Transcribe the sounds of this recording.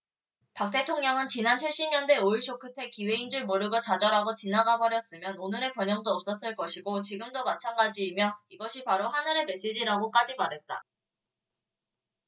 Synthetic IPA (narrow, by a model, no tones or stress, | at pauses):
pak̚t͈e̞tʰoŋɲʌŋɯnt͡ɕinant͡ɕʰiɭɕ͈imɲʌnde̞oiɭɕʰokʰɯtʰe̞kiwe̞ind͡ʑuɭmoɾɯɡɯɭt͡ɕad͡ʑʌɾaɡot͡ɕinaɡabʌɾjʌs͈ɯmjʌnonɯɾe̞pjʌɲʌŋdoʌp̚s͈ʌs͈ɯɭk͈ʌɕʰiɡot͡ɕiɡɯmdomat͡ɕʰaŋɡad͡ʑiːmjʌiɡʌɕʰipaɾoɦanɯɾeme̞s͈ed͡ʑiɾaɡok͈ad͡ʑimaɾɦe̞t̚t͈a̰